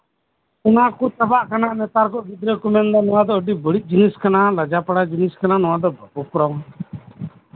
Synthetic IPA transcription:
ʊnakut̪əbaʔkanaʔnɛt̪aɾkɔʔɡid̪ɾɛkumɛnd̪ɔnɔwãd̪ɔəɖibəɽit̪̚ˀd͡ʒiniskanaləd͡ʒapaɽad͡ʒiniskananɔwãd̪ɔbʱəpɔkɾaw

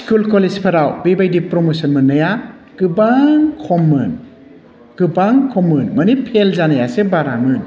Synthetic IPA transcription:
skulkɔlezpʰɐɾawbebajdipɾɔmosɔnmɯnɯja | ɡ̥ɯbaŋkʰɔmɯn | ɡ̥ɯbaŋkʰɔmɯnmɐnipʰelzanajasebaɾamɯn

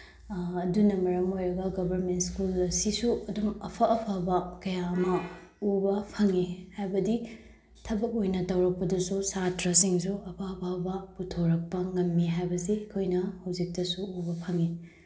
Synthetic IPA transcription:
dunɐmɐɾɐmojɾɐɡɐɡɐbʱɐɾmentskulɐsisuɐdumɐpʰɐʔɐpʰabɐkɐjaɐmɐ | ubɐpʰɐŋihajbɐdi | tʰɐbɐkojnɐtɐwɾɐk̚pɐdɐsusatɾɐsiŋsuɐpʰabʰabɐputʰoɾɐk̚pɐŋɐmːiɦajbɐsiɐkʰojnɐhɐwzik̚tɐsuubɐpʰɐŋi

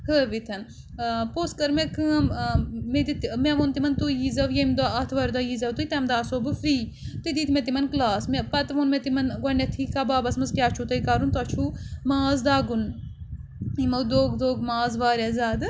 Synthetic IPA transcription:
kəːʋit̪ʰɐn | poːskɐɾmẽkɨɐmmed̪it̪mɛʋont̪imɐnt̪ujiːzɐʋjɐmd̪aɐt̪ʰʋaːɾʲd̪aːjiːzɐwt̪uit̪ɛmd̪aːsoːbɨfɾiːt̪id̪iːt̪ʰmẽt̪̬imɐnklaːsmepɐt̪ʋoːnmẽt̪imɐnɡwɐnːet̪ʰiːkaːbaːbɐsmɐzkʲjaːt͡ʃʰut̪ɐikaːɾunt̪ɐt͡ʃʰuːmaːzd̪aːɡun | imɐwd̪oːɡd̪oːɡmaːzʋaːɾʲazaːd̪ɨ

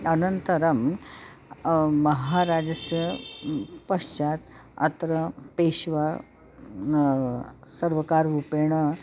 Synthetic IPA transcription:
ənənt̪əɾɐm | əɦaɾad͡ʑəsjə | pəʂt͡ʃat̪ə̰t̪ɾəpeɕʋa | səɾʋəkaɾɾupeɽ̃ə

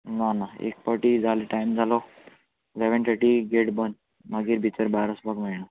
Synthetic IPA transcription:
nanaḛk̚pəʈid͡zʱaleʈajmd͡zʱalɔ | leʋəɳt̪ʰəʈiɡeʈbən | maɡiːɾbʱit͡səɾbaɾəsbakmeɭɳə

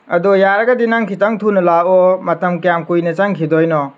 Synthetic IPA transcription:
ɐdojaɾɐɡɐdinaŋkʰitaŋtʰunɐlaɔmɐtɐmkijamkujnɐt͡ʃaŋkʰidɔjnɔ

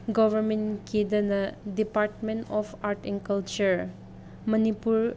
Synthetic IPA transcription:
ɡɔvʱɐɾmenked̪ɐnɐdipaɾʈmẽnɔpaɾʈɛ̃nkɐlt͡ʃəɾ | mɐnipuɾ

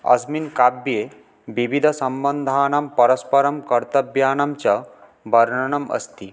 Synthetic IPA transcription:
ɐ̰sminkabje | ʋiʋid̪ʱɐsɐmbənd̪ʱaːnɐmpɐɾɐspɐɾɐmkɐɾt̪ɐbjaːnamt͡ɕɐ | bɐɾɳɐɳɐmɐ̰st̪i

